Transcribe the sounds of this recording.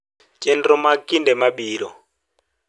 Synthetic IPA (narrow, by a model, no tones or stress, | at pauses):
t͡ʃʼɛntɔmakʼindɛmaɓiːlɔ̰